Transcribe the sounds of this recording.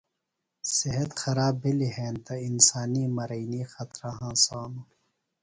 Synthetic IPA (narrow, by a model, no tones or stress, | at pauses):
siɦɐt̪xɐɾaːbiliɦẽːnt̪ɐinsaːniːmɐɾɐiniːxɐt̪ɾaɦãːsaːnu